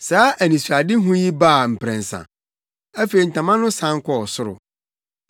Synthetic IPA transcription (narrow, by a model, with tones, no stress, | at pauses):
saː˨˦ʔæ˨nĩ˨su˨ɾa˨dɪ˦ɦũ˦ji˦ba˦˨m̩˨pʰɾɛ̃˨n˨sã̰˨ | æ˦fe˨ɾi˨n̩˨tʰã˨mã˦nʊ̃˦sã˦ŋ˦kʰɔ˦ɔ˨sʊ˦ɾʊ̰˨